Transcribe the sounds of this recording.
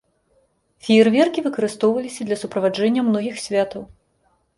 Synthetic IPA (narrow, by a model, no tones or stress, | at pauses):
fʲijɛrvʲɛrkʲivɨkɐɾɨst̪ɔwvɐlʲisʲɐd̪lʲɐsupɾɐvad͡ʐɛnʲːɐmnɔɣʲixsʲvʲat̪ɐw